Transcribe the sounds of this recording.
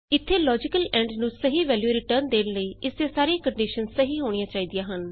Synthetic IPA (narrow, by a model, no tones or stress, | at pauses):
ɪt̪ʰːeːlɔːd͡ʒɪkəlɛ̃ːɳɖnũːsəɦiːʋɛːljuːɾɪʈəːɾnd̪eːnləiːʔɪst̪eːsaːɾiãːkəɳɖiːʃənsəɦiːɦoːɽ̃ijãːt͡ʃaːiːd̪ijãːɦən